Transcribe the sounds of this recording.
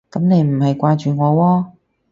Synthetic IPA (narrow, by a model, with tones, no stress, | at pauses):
kɐ˨˥mne˨˧jm̩˨˩hɐ˨jkʷaː˧jt͡ʃyː˨ŋɔː˨˧wɔː˧